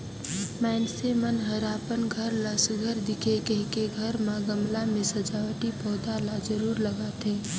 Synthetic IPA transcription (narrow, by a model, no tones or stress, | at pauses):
mɛːnsemənɦəɾaːpənɡʱəɾləsɡʱəɾd̪ɪkʰekekeɡʱəɾmãɡəmlamẽsəd͡ʒaːwəʈipɔːd̪aːlad͡ʒəɾuːɾləɡat̪ʰeː